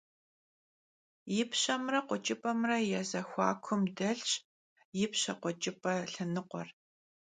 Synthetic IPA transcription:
jɪpɕɐmrɐqʷɔt͡ʃʼɪpʼɐmrɐjɛzɐxʷɑ̰ːkʷʰʊmdɐɬɕ | jɪpɕɐqʷɔt͡ʃʼɪpʼɐɬɨnɨqʷɔ̰r

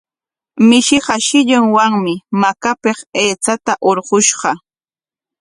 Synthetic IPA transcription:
mɪʃɪɢɑʃɪʎʊŋwaŋmɪmakapeχeːt͡sat̪aʔoɾɢʊʃɢɑ

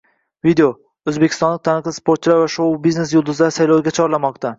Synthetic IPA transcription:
vid̪eo | ɵzbekʲʰɪ̥st̪ɒnlɪk̚t̪ʰanɨqlˠɪspoɾt̪̚t͡ʃʰɪlaɾvaʃowbizne̞s̬jolˠd̪ʊzlasajlowɡʲat͡ʃʰɒɾlamɒq̚t̪a

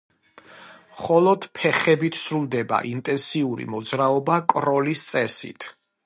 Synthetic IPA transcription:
mχɔlˠɔd̪̥pʰɛχɛbit̪ʰsɾulˠd̪ɛba̰ʔint̪ʼɛnsiuɾḭmɔd̪zɾaɔbakʼɾɔlist̪sʼɛsḭt̪ʰ

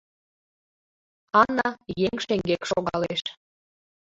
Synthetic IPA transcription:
ɑnɑjeŋʃeŋɡekʃoɣɑleʃ

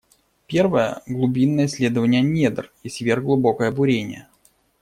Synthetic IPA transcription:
pʲe̞rvəjəɡlˠʊbʲinːəjəsʲlʲe̞d̪əvənʲɪjənʲe̞d̪ərjesʲtʲvʲerɡlˠʊbo̞kəjəbʊɾʲenʲɪ̰jə

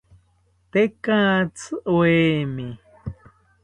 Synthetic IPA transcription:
t̪ekãːt͡sɨʔweːmi

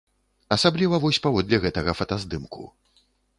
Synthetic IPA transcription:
ɐsablʲivɐvɔsʲpavɔd̪lʲɛɣɛt̪ɐɣɐfɐt̪azd̪ɨmkʰṵ

